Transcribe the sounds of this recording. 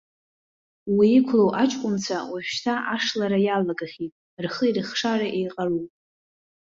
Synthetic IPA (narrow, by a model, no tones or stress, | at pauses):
wiːkʷʰlowʔat͡ʃʼkʷʼʊmt͡sʰawaɥʃtʰaʔaʂlaɾajalaɡaχʲitʼ | rχəirɨχʂaɾaʔejqʼarupʼ